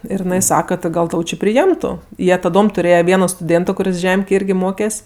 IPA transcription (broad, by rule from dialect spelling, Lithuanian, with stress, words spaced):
ˈɪr ɪˈnɐɪ ˈsɑːkɐ tʲɪ ˈɡɐlˠ ˈtɐʊ t͡ʃʲɪ pʲrʲɪˈjɛmtʊ ˈjiɛ tɐˈdoːm tʊˈrʲeːjɛ ˈʋʲiɛnoː stʊˈdʲeːntoː kʊˈrʲɪs ˈʒʲɛmʲkʲeːj ˈɪrʲɡʲɪ ˈmoːkʲɛsʲ